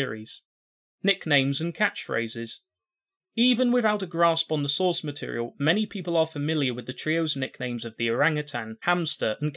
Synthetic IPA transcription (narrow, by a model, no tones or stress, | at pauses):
ɹiz̥ | nɪknẽɪ̃mzɨ̃nkʰat͡ʃfɹḛɪzɪz̥ | ivə̃nwɪðaʊɾəɡɹɑspn̩ðəsɔɹsmətʰɪ̰ɹḭəlˠmɛñipʰipəlˠəfəmɪlˠjəwɨðɨtʰɹ̥ioʊznɪknẽɪ̃mzʌvðiəɹãŋɨtʰãnhæ̃mstə˞ʔə̃nkʰ